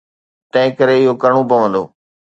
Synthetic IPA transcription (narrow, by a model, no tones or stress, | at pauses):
t̪ɐ̃ɦɪ̃kɐɾeɪɦokɐɾɽ̃opɐʋə̃nd̪o̰ː